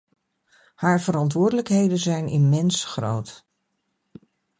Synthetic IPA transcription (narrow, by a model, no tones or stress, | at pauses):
haːɹvəɾɑntʋʊːɹdələkɦejdənzɛjnɪ̰mɛnsχro̰wt